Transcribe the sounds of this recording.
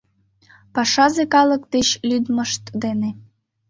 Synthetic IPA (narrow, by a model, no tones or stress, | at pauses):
pɑʂɑzekɑlˠɤ̆kd̪eɕlʲyd̪mɤ̆ʃt̪d̪ene